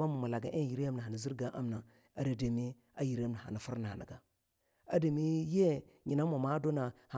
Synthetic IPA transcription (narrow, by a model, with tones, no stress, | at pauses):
a˦ma˨ma˨la˨ɡa˨ʔe˦˨ji˨ɾi˦a˦mna˨ɦa˨na˨zi˦ɾɡa˦ʔa˦mna˨ | a˨ɾa˨de˨mi˦ | a˦ji˨ɾa˦mna˨ha̰˨na˨fu˦ɾna˨na̰˨ɡa˨ | a˦da˨mi˦je˦ɲi˨na˦mo˨ma˦do˦na˨ha˨